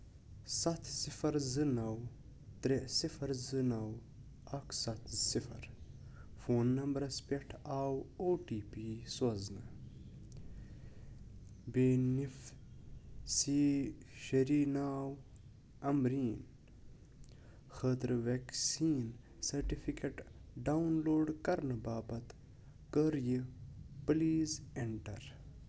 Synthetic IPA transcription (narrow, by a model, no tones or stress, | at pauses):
sɐt̪ʰsifɐɾzɨnɐw | t̪ɾesifɐɾzɨnɐw | ɐksɐt̪ʰsifɐɾ | foːnːɐmbɐɾɐspeʈʰaːwoːʈiːpisɐznɐ | beːnif | siʃɐɾiːnaːw | ɐmɾiːn | xəːt̪ɾʋeksiːn | sɐɾʈifikeʈɖaunloːɖkɐɾnɨbaːbɐt̪ | kəɾjipliːzeɳʈɐ̰ɾ